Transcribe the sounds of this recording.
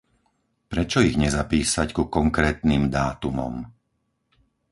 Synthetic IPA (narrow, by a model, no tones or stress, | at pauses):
pɾɛt͡ʃɔiɣɲɛzapiːsackukɔŋkɾɛːt̪niːmd̪aːt̪umɔ̰m